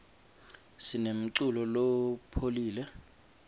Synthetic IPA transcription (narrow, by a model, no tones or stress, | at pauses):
sinem̩ǀulɔlopʰoliːlɛ